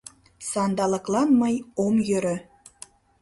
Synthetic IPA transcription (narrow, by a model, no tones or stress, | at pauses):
sɑnd̪ɑlɤ̆klˠɑnmɤjomjøɾø̆